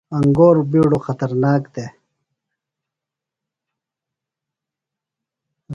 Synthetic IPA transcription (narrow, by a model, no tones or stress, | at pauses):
ɐŋɡoːɾbiːɽoxɐt̪ɐɾnaːkd̪e